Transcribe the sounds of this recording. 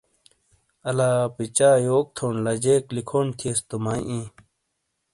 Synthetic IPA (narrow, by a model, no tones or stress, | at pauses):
ɐlaːpit͡ɕaːjoːk̚t̪ʰoːnlɐd͡ʑeːklikʰoːnt̪ʰiest̪umaːʔĩː